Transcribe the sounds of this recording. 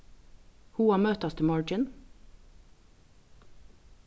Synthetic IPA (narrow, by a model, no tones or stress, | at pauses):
huːɑːmøːt̪ɑst̪əmɔɹd͡ʒɪn